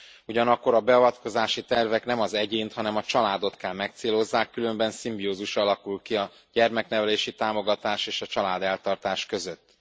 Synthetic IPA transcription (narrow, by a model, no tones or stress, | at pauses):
uɟɒnɒkːo̞ɾɒbɛɒvɒt̪ko̞zaːʃit̪ɛrvɛknɛmɒzɛɟeːnt̪hɒnɛmɒt͡ʃɒlaːd̪o̞t̪kɛlmɛk̚t̪seːlo̞zːaːkːylø̞mbɛnsimbioːzuʃɒlɒkulkiɒ | ɟɛrmɛknɛvɛleːʃit̪aːmo̞ɡɒt̪aːʃeːʃɒt͡ʃɒlaːd̪ɛlt̪ɒrt̪aːʃkø̞zøt̪ː